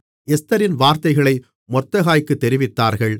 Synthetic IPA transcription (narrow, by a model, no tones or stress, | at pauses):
ɛst̪ɐɾɪnʋaːɾt̪ɐɪɣɐɭɐɪ | mɔrt̪ːɐɣaːjkːɯt̪ːɛɾɪʋɪt̪ːaːɾɣɐɭ